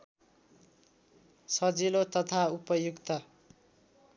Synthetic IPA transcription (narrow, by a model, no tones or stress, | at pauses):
sʌd͡zilot̪ʌt̪ʰaupʌjukt̪ʌ